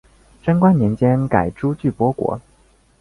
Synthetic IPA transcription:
ʈ͡ʂə˥nkwa˥njɛ˧˥nt͡ɕjɛ˥nka˨˩ɪʈ͡ʂu˥t͡ɕy˥˩pwɔ˥kwɔ̰˧˥

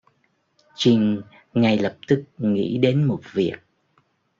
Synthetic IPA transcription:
t͡ɕï˨˩ŋ̟ | ŋa˨˩jlə˨˩p̚t̪ɨ˦˥k̚ŋḭ˧˥ɗe˨˦nmo˨˩t̚vi˨˩ək̚

